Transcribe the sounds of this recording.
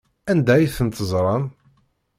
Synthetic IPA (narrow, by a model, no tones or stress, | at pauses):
ænd̪æjiθənt̪əzˤɾˤɑn